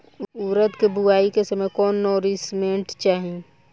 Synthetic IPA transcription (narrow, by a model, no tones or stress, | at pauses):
uːɾət̪kebʊaːikesəmɛkɔːnːɔːɾismẽːʈt͡ʃaːɦĩ